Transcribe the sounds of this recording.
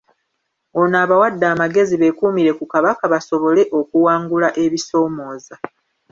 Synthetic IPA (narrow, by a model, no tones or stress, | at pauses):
onaːβawadːaːmaɡe̞ziβe̞kuːmiɾe̞kukaβakaβaso̞βo̞le̞ʔo̞kuwaːŋɡulaʔe̞βiso̞ːmo̞ːza